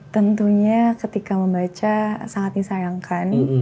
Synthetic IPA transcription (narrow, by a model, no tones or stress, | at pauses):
t̪ənt̪uɲakət̪ikaməmbat͡ʃasaŋat̪̚nisaɾaŋkan